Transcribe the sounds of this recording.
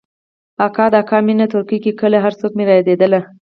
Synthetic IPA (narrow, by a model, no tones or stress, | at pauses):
akɑd̪əakɑminat̪ʊɾkikikəlaɦaɾsok̚meɾɑjd̪ed̪əla